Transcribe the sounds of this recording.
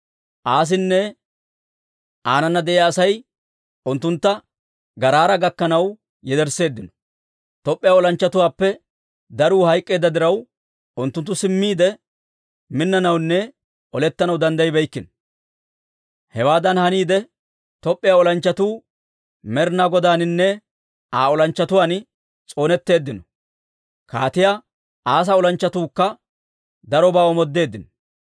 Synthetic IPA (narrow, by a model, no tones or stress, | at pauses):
ʔaːs̬ɪnːɛ | ʔaːnɐnːɐd̪ɛʔejaːsɐj | ʔʊnt̪ːʊnt̪ːɐ | ɡɐɾaːɾɐɡɐkːɐnɐw | jɛd̪ɛɾse̞ːd̪ːɪnɔ̥ | t̪ɔpʼːɪjaːɔlɐnt͡ʃːɐt̪ʊwaːpːɛ | d̪ɐɾuːhɐjkʼːe̞ːd̪ːɐd̪ɪɾɐw | ʔʊnt̪ːʊnt̪ːʊsɪmːiːd̪ɛ | mɪnːɐnɐwnːɛ | ʔɔlɛt̪ːɐnɐwd̪ɐnd̪ɐjɪbɛjkːɪnɔ | hɛwaːd̪ɐnhɐniːd̪ɛ | t̪ɔpʼːɪjaːɔlɐnt͡ʃːɐt̪uː | mɛɾnaɡɔd̪aːnɪnːɛ | aːɔlɐnt͡ʃːɐt̪ʊwaːn | t͡sʼo̞ːnɛt̪ːe̞ːd̪ːɪnɔ̥ | ka̰ːt̪ɪjaː | ʔaːs̬ɐɔlɐnt͡ʃːɐt̪uːkːɐ | d̪ɐɾɔbaːɔmɔd̪ːe̞ːd̪ːɪnɔ